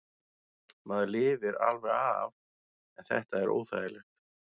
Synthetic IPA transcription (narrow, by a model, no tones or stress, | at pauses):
maðʏlɪːvɪɾa̰lvɛɾav | ɛnθɛ̰ht̪aɛɾʔo̰ːwθa̰ðɪlɪ